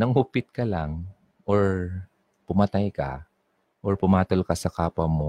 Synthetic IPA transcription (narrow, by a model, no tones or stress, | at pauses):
nɐŋupɪt̪̚kɐlaŋ | ʔoɹ | pʊmɐt̪ajkɐ̰ | ʔoɹpʊmaːt̪olkɐsɐkaːpɐmo